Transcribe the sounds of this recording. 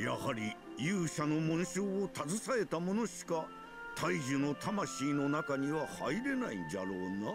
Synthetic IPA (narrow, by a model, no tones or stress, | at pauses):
ja̰haɾʲi | jɨːɕano̞mõ̞ɰ̃ɕoːot̪azɨsae̞t̪amo̞no̞ɕi̥ka | t̪ʰaiʑɨno̞t̪amaɕiːno̞nakaɲ̟iβahaiɾe̞naidaɾo̞ːna